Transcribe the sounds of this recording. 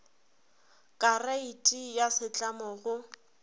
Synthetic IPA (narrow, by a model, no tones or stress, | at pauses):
kʼaraitʼijasɪt͡ɬʼamɔɣʊ